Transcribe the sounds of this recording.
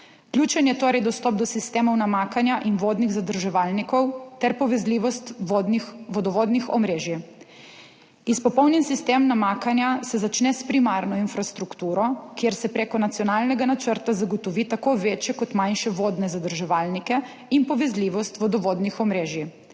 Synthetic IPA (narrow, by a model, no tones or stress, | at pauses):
klʲjuːt͡ʃɛnjɛt̪oːɾɛjd̪ɔst̪ɔp̚d̪ɔsist̪eːmɔwnamakanjaʔinʋoːd̪niɣzad̪əɾʒɛʋalnikɔwt̪ɛɾpɔʋɛzliːʋɔst̪od̪nixʋɔd̪ɔʋoːd̪nixɔ̰mɾeːʒji | ispɔpɔwninsist̪emnamaːkanjasɛzat͡ʃnɛspɾimaɾnɔinfɾast̪ɾukt̪uːɾɔkjeɾsɛpɾeːkɔnat̪sjɔnalnɛɡanat͡ʃəɾt̪azaɡɔt̪ɔʋit̪akoʋeːt͡ʃjɛkɔt̪manʃɛʋoːd̪nɛzad̪əɾʒɛʋaːlnikɛ | inpɔʋɛzliʋɔst̪ʋɔd̪ɔʋoːd̪nixɔmɾeːʒji